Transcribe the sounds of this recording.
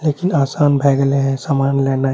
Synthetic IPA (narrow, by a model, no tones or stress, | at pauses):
leːkinaːsaːnbʱɛːɡleɦɛ̃samaːnleːnaɦ